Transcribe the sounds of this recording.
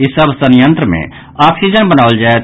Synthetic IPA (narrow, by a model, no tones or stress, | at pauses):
ɪsəbsənjə̃nt̪ɾəmḛ̃ | aːpʰsid͡ʒənbɐnaːʋəld͡ʒaːe